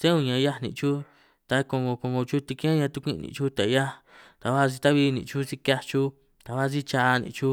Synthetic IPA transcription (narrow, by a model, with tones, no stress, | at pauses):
t̪ẽ˦ũ˧ɲã˨˧ja˦˧nḭ̃˧˨˧t͡ʃu˦ | t̪a˧kõ˧ŋɡõ˧kõ˧ŋɡõ˧t͡ʃu˦t̪i˧kĩ˦ã˦ɲã˧t̪u˧kʷĩ˦˧nḭ̃˨˧t͡ʃu˦t̪a˨˧ja˦ | t̪a˨˧βa˦˧s̬i˧t̪a˦βi˧nḭ̃˧˨t͡ʃu˦si˧kʲa˧t͡ʃu˦ | t̪a˨˧βa˦˧si˦t͡ʃa˧nḭ̃˧˨˧t͡ʃu˦